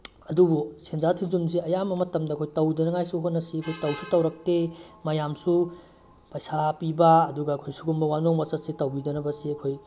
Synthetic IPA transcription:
ɐdubusenzatʰiŋzums̬iɐjamɐmɐtɐmdɐɐkʰojtɐwdɐnɐŋajsuɦonːɐsiɐkʰojtɐwsutɐwɾɐk̚temɐjamsu | pɐjsapibɐːduɡɐːkʰojsuɡumbɐwanoŋmɐsɐt̚sitɐwbidɐnɐbɐsiɐkʰoj

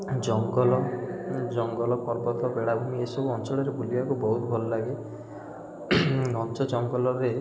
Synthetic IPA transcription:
d͡ʒɔŋɡɔlɔd͡ʒɔŋɡɔlɔpɔɾbɔt̪ʰɔbeɽabʱumiesɔbuɔnt͡ʃɔɭɔɾebʱuliakubɔɦut̪ɔbʱɔlɔlaɡe | ɡʱɔnt͡ʃɔd͡ʒɔŋɡɔlɔɾe

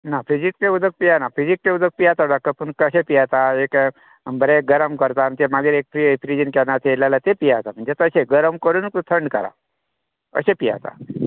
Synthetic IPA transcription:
nafʰizikkeud̪əɡ̚pijanafizikkeud̪əɡ̚pijat̪aɖakːəpəɳkəsepijat̪aek | bəɾeɡəɾəmkəɾt̪ant̪emaɡeɾek̚pɾifɾid͡ʒənkɛnat̪ʰelalat̪epijat̪am̤əɳd͡ʒet̪əseɡəɾəmkəɾuːnkt̪ot̪ʰəɳɖkəɾa̰ | ə̰sepija̰t̪a̰

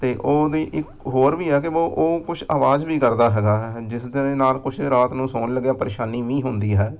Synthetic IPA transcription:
t̪eːʔoːd̪iːʔɪk | ɦoːɾʋiːɛːk̬ɪoːʔoːkʊt͡ʃʰaːʋaːzʋiːkəɾd̪aːɦɛːɡaːd͡ʒɪsd̪eːnaːlkʊt͡ʃʰːɾaːt̪nũːsoːnləɡjaːpəɾeːʃaːniːʋĩːɦʊnd̪iːɦɛː

